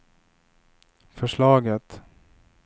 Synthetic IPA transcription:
fœʂɭɑːɡət̪

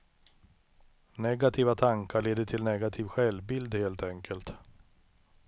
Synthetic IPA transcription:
nɛɡat̪ʰiːvat̪ʰaŋkʰaɭeːd̪əʈʰɪlnɛɡat̪ʰiːvɧɛlbɪld̪heːlt̪ɛŋkʰəlt̪

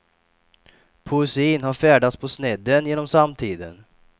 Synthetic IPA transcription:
pʰʊɪsiːnhaɾfæːɖat̪spʰɔsnɛd̪ənjeːnɔmsamt̪ʰiːd̪ə̰n

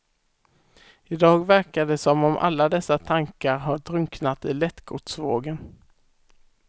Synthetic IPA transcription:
ɪd̪ɑːɡvæɾkaɖɛsɔmɔmʔa̰lːad̪ɛsːat̪ʰaŋkaɾɦaɖɾɵŋknat̪ɪːlɛt̪ɡʰʊʈ̪svoːɡən

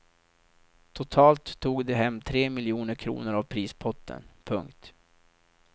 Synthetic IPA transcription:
t̪ʰʊt̪ʰɑːlt̪ʰːuːɡd̪ɛɦɛmːt̪ʰɾeːmɪljuːnəɾkʰɾṵːnəɾavpʰɾiːspʰɔt̪ʰːə̰npʰɵŋkt̪

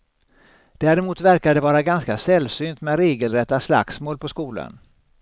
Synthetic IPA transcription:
d̪̥æːɾɪmuːt̪væɾkad̪ɛvɑːɾaɡanskasɛlsyːnt̪mɛɾeːɡəlɾɛt̪ːasla̰ksmoːlpʰɔskuːlə̰n

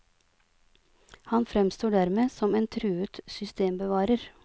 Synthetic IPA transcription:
hɑnfɾɛmst̪oːɖæɾmeːsɔmeːnt̪ʰɾʉːʉt̪sʏst̪eːmbəʋɑːɾəɾ

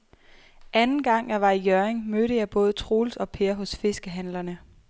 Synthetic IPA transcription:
ʔænn̩ɡ̥ɑ̈ŋ̰jɑ̈ʋɑ̈ijœɐeŋmøɾəjɑ̈ɪb̥ɔ̽ːð̞̩ˠt͡sʰʁo̝ːlsɒ̽pʰe̝ːɐɦɔ̽sfe̝sɡ̥əɦænlɐnə

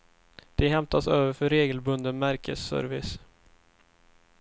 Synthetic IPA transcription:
d̪̥ɛɦɛmt̪ʰasøːvəɾfœɾeːɡəlbɵnd̪ənmæɾkʰə̰sːœ̰ːɾvɪs

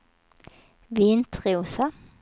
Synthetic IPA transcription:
ʋiːnt̪ʰʁɪuːsɑ

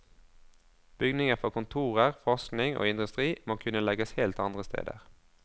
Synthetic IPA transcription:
b̥ʏɡnɪŋəfɔʁkʊnt̪ʰuːʁəʁfɔʁsknɪŋʔo̰ːɪnd̪ʉst̪ʁiːmoːkʰʉnəlɛɡəsheːlt̪ɑnd̪ʁəst̪ḛːd̪ə̰ʁ

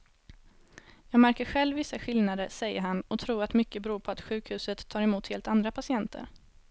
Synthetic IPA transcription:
jɑːɡmæɾkəɾɧɛlvːɪsːaɧɪlnad̪əʂɛjːə̰ɾɦanɔt̪ʰɾuːɾat̪mʏkːəbɛɾuːɾpʰɔat̪ɧʉ̟ːkhʉ̟ːsət̪ʰːɑːɾɛmuːt̪heːlt̪and̪ɾapʰasɪɛnt̪ʰə̰ɾ

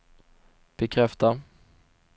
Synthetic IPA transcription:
b̥ɛkʰɾɛft̪a

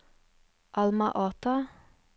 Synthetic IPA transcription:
ʔɑlmɑʔɑːt̪ɑ

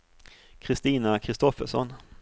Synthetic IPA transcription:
kʰɾɪst̪iːnakʰɾɪst̪ɔfəʂɔ̰n

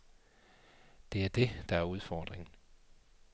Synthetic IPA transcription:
d̥e̝æɐd̥e̝d̥ɑ̈æɐuð̞ˠfɒːd̥ʁeŋn̩

